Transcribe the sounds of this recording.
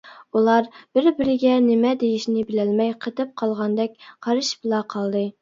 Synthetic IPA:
ulˠɑɾb̥ɪɾbɪɾɪɡʲɛnɪmɛd̪ejiʃnɪbɪlɛlmɛjqʰət̪ɨp̚qʰɑlˠʁɑnd̪ɛkʲqʰɑɾɨʃblˠɑqʰɑlˠd̪ɨ

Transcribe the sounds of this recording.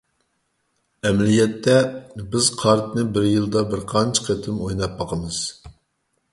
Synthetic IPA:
ɛmlijɛt̪ʰːɛbɪz̥qʰɑɾt̪nɨbɪɾjɨlˠd̪ɑbɪɾqʰɑnt͡ʃʰqʰet̪ʰɪmojnɑp̚bɑqʰəmɨz̥

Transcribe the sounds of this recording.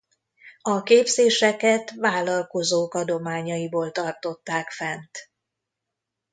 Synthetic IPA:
ɒkeːbzeːʃɛkɛt̪ʋaːlɒlko̞zoːkɒd̪o̞maːɲɒjiboːlt̪ɒrt̪o̞t̪ːaːkfɛnt̪

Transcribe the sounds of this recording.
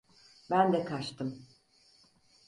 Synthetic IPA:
bænd̪ɛkʰat͡ʃt̪ʰɯm

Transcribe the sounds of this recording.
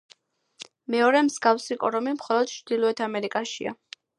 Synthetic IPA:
mɛɔɾɛmzɡafsikʼɔɾɔmimχɔlˠɔd̪̥̚t͡ʃʰɾd̪̥ilˠɔɛt̪ʰamɛɾikʼaʃḭa̰

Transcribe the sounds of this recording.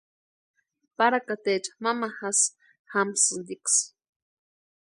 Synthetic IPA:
paɾakat̪et͡ʃḁmamaxas | xamsɨnd̪iks

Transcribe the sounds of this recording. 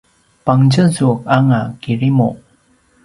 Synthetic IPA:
paŋd͡ʑəzuək̚aŋakiɾimo

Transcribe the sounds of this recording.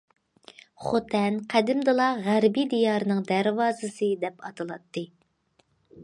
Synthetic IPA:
χot̪ʰɛnqʰæd̪ɪmd̪ɨlˠɑʁæɾbid̪ijɑɾɨnɨŋd̪æɾvɑːzɨsɨd̪ɛpɑt̪ʰɨlˠɑt̪ʰːɨ

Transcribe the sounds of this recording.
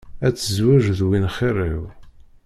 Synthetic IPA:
æt͡sːəzwæʒðwinχirˤiw

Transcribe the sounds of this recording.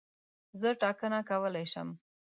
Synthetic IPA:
zəʈɑkənakawəlajʃə̰m

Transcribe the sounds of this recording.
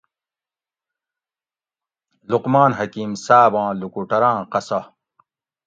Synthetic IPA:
luqmaːnɦɐkiːmsaːbãːlukuʈɐɾãːqɐsɐ

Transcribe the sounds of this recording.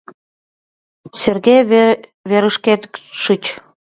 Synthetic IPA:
serɣeβeɾəʃket̪kʃət͡ɕ

